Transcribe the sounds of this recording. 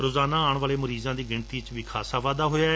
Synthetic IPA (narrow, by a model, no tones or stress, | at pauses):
ɾoːzaːnaːaːɳ̃ʋaːleːməɾiːzãːd̪iːɡɪɳt̪iːt͡ʃʋiːkʰaːsaːʋaːd̪aːɦoːjaː